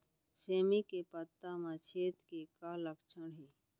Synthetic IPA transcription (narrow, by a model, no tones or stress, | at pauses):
seːmikepət̪ːamãt͡ʃʰeːt̪kekaːləkt͡ʃʰəɽɦiː